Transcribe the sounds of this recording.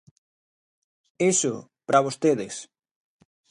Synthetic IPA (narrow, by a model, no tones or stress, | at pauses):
eʃʊ | pɾʔaβost̪eðɪs